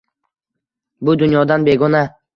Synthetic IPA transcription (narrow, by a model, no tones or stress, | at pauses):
bʊd̪ʊnjɒd̪anbe̞ɡɔna